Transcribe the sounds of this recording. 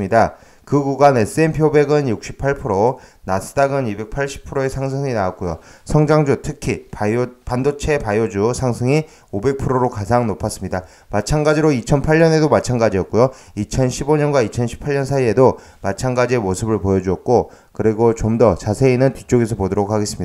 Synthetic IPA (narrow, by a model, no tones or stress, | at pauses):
ɲida | kɯɡuɡanes͈ɯe̞npʰiobe̞ɡɯnjuk̚ɕ͈ʰi̥pʰaɭpʰɯɾonas͈ʰɯ̥daɡɯnibe̞k̚pʰaɭɕ͈ʰi̥pʰɯɾoesʰaŋs̬ʰɯŋinaak̚k͈ojosʰʌŋd͡ʑaŋd͡ʑutʰɯkʰipopandot͡ɕʰe̞pajod͡ʑusʰaŋsʰɯŋi | obe̞k̚pʰɯɾoɾokad͡ʑaŋnopʰas͈ɯmɲida | mat͡ɕʰanɡad͡ʑiɾoit͡ɕʰʌnpʰaɭːʌne̞domat͡ɕʰanɡad͡ʑiʌk̚k͈ojo | it͡ɕʰʌnɕʰiboɲʌnɡwait͡ɕʰʌnɕʰi̥pʰaɭɲʌnsʰaie̞do | mat͡ɕʰanɡad͡ʑie̞mosʰɯbɯɭpojʌd͡ʑuʌk̚k͈o | kɯɾiɡot͡ɕomdʌt͡ɕasʰe̞inɯntit͡ɕ͈oɡe̞sʰʌpodoɾokʰaɡe̞s͈ɯmɲida